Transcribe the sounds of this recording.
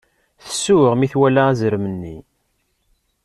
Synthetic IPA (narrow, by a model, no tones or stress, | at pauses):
θə̥sːuəʁmiθwælææzɾmənːi